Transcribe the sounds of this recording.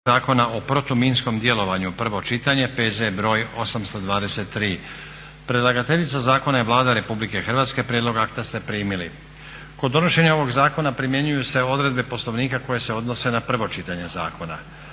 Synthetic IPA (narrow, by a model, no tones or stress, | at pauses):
aːko̞naʔo̞pɾot̪omiːnsko̞md̪je̞lo̞ʋaɲupr̩ʋo̞t͡ʃit̪aɲe̞pe̞ːzebɾo̞ːjo̞samst̪o̞d̪ʋaːd̪eset̪ːɾiː | pɾelˠaɡat̪e̞ʎit̪sazaːko̞najeʋlˠaːd̪aɾe̞publike̞xr̩ʋat̪ske̞pɾjed̪lˠo̞ɡakt̪ast̪e̞pɾiːmilḭ | ko̞d̪ːo̞noʃe̞ɲao̞ʋo̞ɡzaːko̞napɾimje̞ɲujuse̞o̞d̪ɾe̞d̪̚be̞po̞slˠo̞ʋniːkako̞je̞se̞o̞d̪no̞se̞napr̩ʋo̞t͡ʃit̪aɲe̞za̰ːko̞na̰